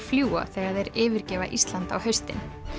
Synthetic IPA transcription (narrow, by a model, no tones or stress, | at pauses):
fljuːa̰θɛɣaðɛɾɪːvɪɾcɛːvaʔist̪lant̪a̰whœɥst̪ɪ̰n